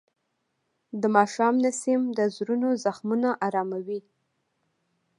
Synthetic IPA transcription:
d̪əmɑʃɑmnasimd̪əzɾunozaxmunaʔaɾɑmawi

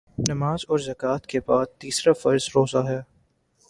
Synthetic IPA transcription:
nɐmaːzɔːɾzɐkaːt̪kepaːst̪iːsɾafɐɾzɾoːzaɦɛː

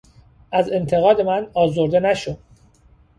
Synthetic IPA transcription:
æze̞nt̪ʰe̞ɣɒːd̪e̞mænɒːzoɾd̪e̞næʃod̥̪

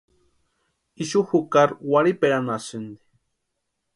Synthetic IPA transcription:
iʃuhukaɾwaɾipeɾanasɨnd̪i̥

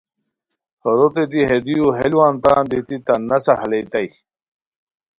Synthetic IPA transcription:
hoɾot̪ed̪iɦed̪ijuɦelwant̪aːnd̪it̪it̪ɐnɐsahɐlejt̪ɐj

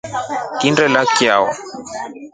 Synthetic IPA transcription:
kindɛlakja̰wɔ

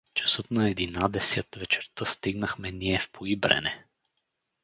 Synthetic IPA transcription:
t͡ʃɐ̥sɤt̪nɐɛd̪inad̪ɛsət̪vɛt͡ʃɛɾt̪əst̪iɡnəxmɛniɛfpʰoibɾɛ̰nɛ

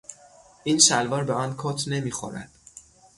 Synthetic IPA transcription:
ʔiːnʃælvɒːɾbeɒːnkʰot̪ʰne̞miːxo̰ɾæ̰d̪̥

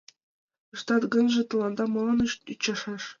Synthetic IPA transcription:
ɤ̆ʂt̪ɑt̪ɡɤ̆nʐɤ̆t̪ɤ̆lˠɑnd̪ɑmɤ̆lˠɑ̆nɤʃt̪yt͡ɕːɑʂɑʂ

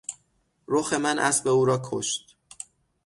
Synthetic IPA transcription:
ɾoxe̞mænʔæ̰sbe̞uːɾɒːkʰo̰ʃt̪

